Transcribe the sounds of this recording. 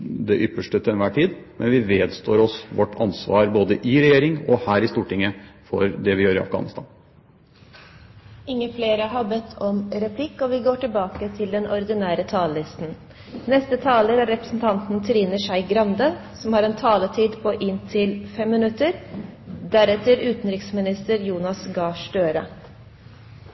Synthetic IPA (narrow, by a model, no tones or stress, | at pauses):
d̪ɛʔʏpːəʂʈət̪ʰɛnʋæːʈʰiːd̪mɛnʋɪʋeːd̪st̪ʰo̰ːɾɔsʋɔʈʰːɑ̰nsʋɑ̰ːɾboːd̪əʔɪɾɛjeːɾɪŋɔhæːɾɪst̪uːʈɪŋːəfɔ̰ɾd̪ɛʋɪjøːɾɪɑ̰fɡɑ̰nɪst̪ʰɑ̰ːn | ɪŋːəfleːɾəɦɑbɛt̪ʰːɔmɾɛpʰlɪkːɔʋɪɡoːʈɪlbɑːkət̪ʰɪld̪ɛnʔɔɾd̪ɪnæːɾət̪ʰɑːləlɪst̪n̩ | nɛst̪ət̪ʰɑːləɾæɾɛpɾə̥sn̩t̪ʰɑnt̪n̩t̪ʰɾiːnəʂæɪɡɾɑnd̪ə | sɔmhɑːɾɛnt̪ʰɑːlət̪ʰiːd̪pʰɔʔɪnt̪ʰɪlfɛmːənʉt̪ːəɾ | d̪æɾɛt̪əɾʉːt̪n̩ɾɪksmɪnɪst̪əɾjuːnɑsɡɑːʂɖøːɾə̰